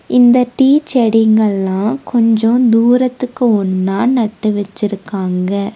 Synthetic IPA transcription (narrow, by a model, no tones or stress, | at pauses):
ɪnd̪ɐʈiːt͡ʃɛɽɪŋɡɐɭːãːkɔɲd͡ʒɔ̃d̪uːɾɐt̪ːɯkːɯɔnːaːnɐʈːɯʋɛt͡ʃːɪɾɯkːaːŋɡɐ